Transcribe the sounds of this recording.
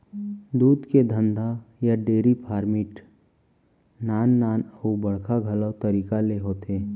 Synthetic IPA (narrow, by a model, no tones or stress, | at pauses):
d̪uːd̪ked̪ʱə̃nd̪ʱajaɖeːɾipʰaːɾmɪʈ | naːnːaːnəubɐɽkʰaɡʱɐlət̪ɐɾiːkaleɦoːt̪eː